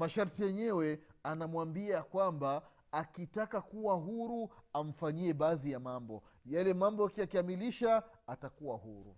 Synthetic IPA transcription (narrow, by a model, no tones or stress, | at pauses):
maʃaɾtijɛɲɛwɛanamwambiakwambaː | kitakakuwaɦuɾuam̩faɲiɛɓaːðijamambɔ | jalɛmambɔakiakiamiliʃaːtakuwaɦuɾṵ